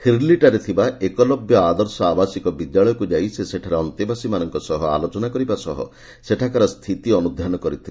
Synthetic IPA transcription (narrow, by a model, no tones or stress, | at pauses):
hʰiɾliʈaɾet̪ʰibaekɔlɔbjɔad̪ɔɾsɔabasikɔbid̪jaɭɔjɔkud͡ʒajseseʈʰaɾeɔnt̪ibasimanɔŋkɔsɔɦɔa̰lot͡ʃɔnakɔɾibasɔɦɔ̰ | seʈʰakaɾɔst̪ʰit̪iɔnud̪ʱjanɔkɔɾit̪ʰile